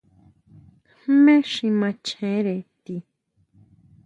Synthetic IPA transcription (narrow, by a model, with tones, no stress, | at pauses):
hmẽ˦ʂĩ˧mã˧t͡ʃʰẽ˨˦ɾe˨t̪i˧